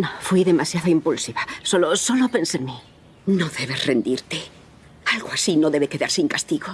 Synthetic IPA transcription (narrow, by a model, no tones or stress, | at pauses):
nofwiðe̞masjaðaimpulsiβaso̞loso̞lope̞nsenmi | no̞ðe̞βe̞sre̞nd̪iɾt̪e̞ | alɣoasino̞ðe̞βe̞ke̞ðaɾsiŋkast̪iɣo